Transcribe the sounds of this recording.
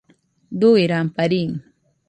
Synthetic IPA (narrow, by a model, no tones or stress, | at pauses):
d̪ʊiɾampaɾiŋ